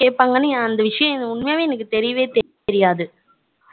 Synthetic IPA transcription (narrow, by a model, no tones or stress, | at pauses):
keːʈ̚paːŋɡɐnːɯnãɐnd̪ɐʋɪʂɐjɐ̃ɛnɐʊɳmɐjaːʋeːɛnɐk̬ːɯt̪ɛɾɪjɐʋeːt̪ɛ | ɛɾɪjaːðɯ